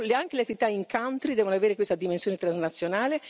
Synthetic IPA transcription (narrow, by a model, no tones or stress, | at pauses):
laŋkeleat̪ːiit̪aiŋkant̪ɾid̪ɛːvonoaveːɾekwest̪ad̪imensjoːnet̪ɾaznat̪sːjonaːle